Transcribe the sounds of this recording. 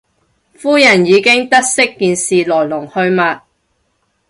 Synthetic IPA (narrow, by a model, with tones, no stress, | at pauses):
fuː˥jɐ˨˩njiː˨˧kɪ˥ŋt̪ɐ˥t̚sɪ˥kːiː˨nsiː˨lɔː˨˩jlʊ˨˩ŋhɵ˧ɥmɐ˨t̚